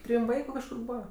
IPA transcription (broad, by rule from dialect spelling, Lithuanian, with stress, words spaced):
ˈtʲrʲiːm ˈʋɐɪkʊ kɐʃˈkʊr ˈbuːʋɐ